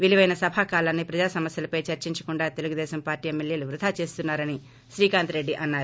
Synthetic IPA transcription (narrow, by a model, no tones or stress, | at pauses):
ʋiliʋɐjnɐsɐbʱaːkaːlɐnːipɾɐd͡ʒaːsɐmɐsjɐlɐpɐjt͡ʃɐɾt͡ʃiɲt͡ʃɐ̥kuɳɖaːt̪e̞luɡud̪ɛːʃɐmpaːɾʈiːemːelje̞ːluʋɾud̪ʱaːt͡ʃe̞ːst̪unːaːɾɐni | ʃɾiːkaːnt̪ɾe̞ɖːiʔɐnːaːɾu